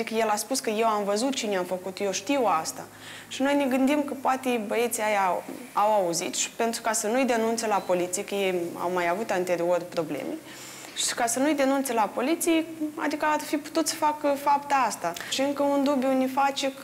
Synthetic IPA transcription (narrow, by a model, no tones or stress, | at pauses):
ikəjelaspuskəje̞wamvəzut̪̚t͡ʃineamfəkut̪jewʃt̪iwast̪a̰ | ʃino̞jneɡɨnd̪imkəpoat̪ebəet̪siaja | awauzḭt̪ʃi̥pe̞nt̪ɾukasənujd̪enunt̪selapo̞lit̪sijekəjeja̰wmajavut̪ant̪e̞ɾiorʲpɾo̞blḛme | ʃi̥ʃi̥kasənujd̪e̞nunt̪selapo̞lit̪sijea̰d̪ikəarfipu̥t̪ut̪sə̥fakəfapt̪ast̪aʃiɨŋkəund̪ubjunefat͡ʃek